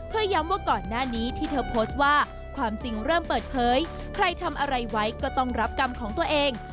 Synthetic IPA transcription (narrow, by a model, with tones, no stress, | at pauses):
pʰɯ˧˩əja˦˥mwaː˥˩kɔː˨˩nːaː˥˩niː˦˥t̪ʰiː˥˩t̪ʰɤː˧pʰoː˦˥st̪̚waː˥˩ | kʰwaː˧mt͡ɕi˨ŋɾɤː˥˩mpɤː˨˩t̪̚pʰɤː˩˦j | kʰɾa˧jt̪ʰa˧mʔa˧ɾa˧jwa˦˥jkɔː˥˩t̪ɔ˥˩ŋɾa˦˥p̚ka˧mkʰɔː˩˦ŋt̪u˧ɐʔeː˧ŋ